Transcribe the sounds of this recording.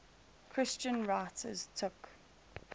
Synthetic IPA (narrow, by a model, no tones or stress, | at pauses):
kʰɹ̥ɪst͡ʃə̃nɹaɪtʰə̰z̥tʰʊk